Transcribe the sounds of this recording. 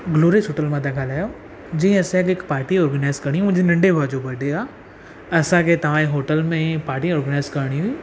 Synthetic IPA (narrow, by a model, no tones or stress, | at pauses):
ɡloːɾisɦoːʈəlmãd̪akʰaːlaːjo | d͡ʑĩːɐsẽkɪkpaːɾʈiɔːɾɡənaːɪzkɐɾɽ̃iɦũm̃ːd͡ʑenɐ̃ɳɖebʱaːd͡ʑobɐɖʱeaː | ɐsãkʰet̪ɐʋ̤ãːẽɦoːʈəlmẽpaːɾʈiɔːɾɡənaːɪzkɐɾɽ̃iɦuiː